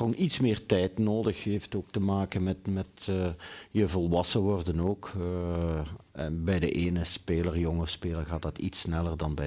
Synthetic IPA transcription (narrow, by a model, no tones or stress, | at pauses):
onitsmɪːrtɛjtnoːdəxɦeftoːk̚təmaːkənmɛtmɛtː | jəvɔlˠʋɑsəʋɔrdənoːk | ɛnbɛjdəʔeːnəspeːlərjɔŋəspeːlərɣaːt̚dɑtḭtsnɛlərdɑnbɛ